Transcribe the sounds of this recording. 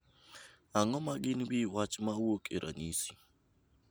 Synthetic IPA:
aŋɔmaɡɪnwiwat͡ʃmawokʼiɾʔa̰nisi̥

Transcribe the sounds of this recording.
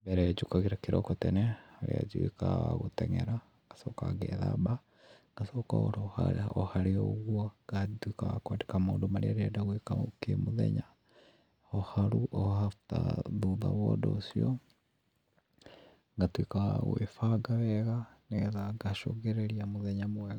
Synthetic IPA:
bɛɾɛd͡ʒukaɣiɾakiɾokotɛneaɾḭa̰d͡ʒuikaaɣutɛŋeɾa | ŋɡ̥asokaɡɛða̰ba | ŋɡasoka̰oɾohaohaɾioɣwaɡatwikaakwadikamoːndomaɾiaɾiadaɣwikakemuðḛɲa | hohaɾuʔohataðuðaβɔdosiɔ | ŋɡatwikaɣwḛfaɡaβɛɣaneɣɛðaɡaʃoɣeɾeɾiamuðeɲamwɛɣa

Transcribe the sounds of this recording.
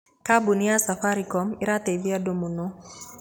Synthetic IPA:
kabuniasafaɾikɔmiɾatebiadomuno

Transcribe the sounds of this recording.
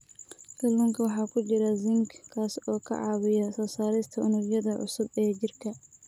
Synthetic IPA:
kʰɐlːɔːŋkʰɐwɑħɑːkʰʊt͡ʃɪɾɐzɪŋkkʰaːsɔːkʰɐ̰ʕɑːβɪjɐsɔːsaːɾɛjst̪ʰɐʊnʊrjɐðɐʕʊ̰sʊbɛːt͡ʃɪrkʰɐ

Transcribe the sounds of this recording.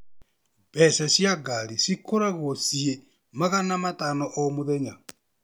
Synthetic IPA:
βɛsasjaɡaɾisikoɾaɣosie | maɣanamatanɔʔomoðɛɲa

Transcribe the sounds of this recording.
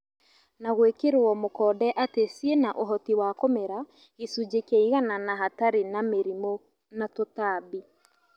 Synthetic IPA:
naɣwekeɾɔmokɔdɛʔatesienaʔoɦɔtiwakomeɾa | ɣesud͡ʒekɛiɣananaɦataɾenameɾimo | natotabi

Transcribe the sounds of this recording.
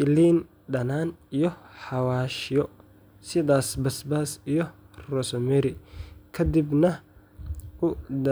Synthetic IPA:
ɪliːn | ɖɐnaːnijɔħɑwaːʃɪjɔ | sɪðaːsbɐsbaːsijɔ | rɔsɔmɛɾɪkʰɐd̪ɪbnɐ | ʊd̪ɐ

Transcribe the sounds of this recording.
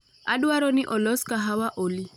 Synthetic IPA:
adwaɾɔnɪʔɔlɔskaɦawaʔoli

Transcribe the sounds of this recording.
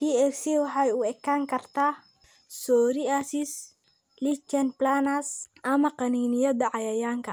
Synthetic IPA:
piɛksiwɑħɑjʊɛkʰaːŋkʰɐrt̪ʰaː | sɔːɾiasɪs | lit͡ʃɛnplanɐsʔɐmɐqɑniːnɪjɐdɐʕɑjɐjaːŋkʰɐ

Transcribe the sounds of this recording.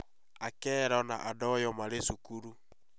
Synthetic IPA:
akɛɾaɔna̰ʔadɔjɔmaɾesukuɾu

